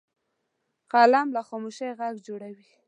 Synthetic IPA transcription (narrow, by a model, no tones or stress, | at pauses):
qɑlamlaxɑmoʃajɣaɡd͡ʒoɽawi